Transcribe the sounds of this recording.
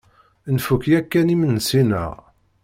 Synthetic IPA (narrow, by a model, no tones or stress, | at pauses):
nfukjækːænimənːsinə̰ʁ